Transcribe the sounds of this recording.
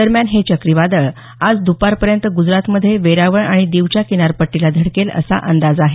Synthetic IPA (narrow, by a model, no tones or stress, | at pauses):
d̪əɾmjanɦet͡ɕəkɾiʋad̪əɭ | ad͡zd̪upaɾpəɾjənt̪əɡud͡zɾat̪məd̪ʱːjeʋeɾaʋəɳaɽ̃id̪iʋt͡ɕjakiñaɾpəʈːilad̪ʱəɽkelə̰sa̰ʔənd̪ad͡zaɦe